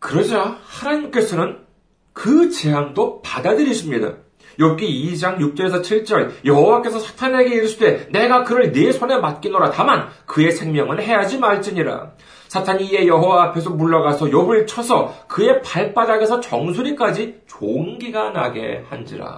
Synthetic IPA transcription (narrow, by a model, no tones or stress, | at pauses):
kɯɾʌd͡ʑahanaɲimk͈e̞sʰʌnɯn | kɯt͡ɕe̞amdopadadɯɾiɕʰimɲida̰ | jʌk͈ʰiid͡ʑaŋjuk̚t͡ɕ͈ʌɾe̞sʰʌt͡ɕʰiɭt͡ɕ͈ʌɭjʌɦowak͈e̞sʰʌsʰḁtʰaneɡe̞iɾɯɕʰide̞ne̞ɡakɯɾɯɭnesʰone̞mat̚k͈inoɾatamankɯe̞sʰe̞ŋmjʌŋɯnɦe̞jad͡ʑimaɭt͡ɕ͈ɯɲiɾa̰ | sʰatʰaɲiie̞jʌɦowaːpʰe̞s̬ʰʌmuɭːaɡasʰʌjʌbɯɭt͡ɕʰʌsʰʌkɯe̞paɭp͈ad͡ʑaɡe̞sʰʌt͡ɕʌŋsʰuɾik͈ad͡ʑit͡ɕoŋɡiɡana̰ɡe̞̰hand͡ʑḭɾa̰